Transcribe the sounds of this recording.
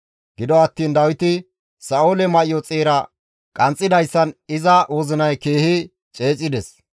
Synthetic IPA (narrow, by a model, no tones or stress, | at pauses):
ɡ̥ɪd̪ɔɐt̪ːiːnd̪ɐwɪt̪ɪ | sɐolɛmɐʔɪjɔt͡sʼeːɾɐ | kʼɐnt͡sʼːɪd̪ɐjsːɐnɪzɐwɔzɪnɐjkeːhɪ | t͡ʃʼe̞ːt͡sʼɪd̪ɛs